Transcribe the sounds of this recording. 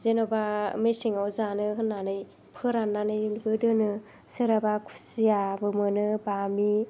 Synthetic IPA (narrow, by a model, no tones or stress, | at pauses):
zenobamesiŋawzanɯɦɯnːanɯj | pʰɯɾanːanɯjinbɯdɯnɯ | sɯɾabakʰu̥sijabɯmɯnɯbami